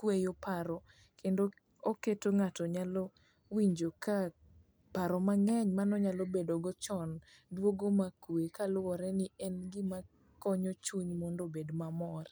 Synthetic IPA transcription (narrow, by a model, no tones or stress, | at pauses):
kwejopaɾɔ | kʰendo | oketoŋatɔɲalo | wiɲd͡ʒoka | paɾɔmaŋɛɲmanɔɲalobedoɡɔt͡ʃɔn | dwoɡomakwekalwɔɾɛnɪɛnɡɪma | kɔɲɔt͡ʃuɲmɔndobedmamɔr